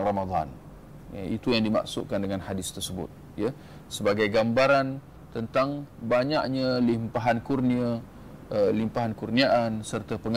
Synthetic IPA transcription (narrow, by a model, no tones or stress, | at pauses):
ramad̪a̰n | jait̪ujaŋdima̰ʔsʊ̰ʔ̪̚kandəŋanhadɪst̪ərsəbʊ̰t̪̚ | ja | səbaɡajɡambaɾan | t̪ənt̪aŋbaɲaʔɲalimpaɦankurniə | ʔəlimpaɦankurniaʔansərt̪apəŋ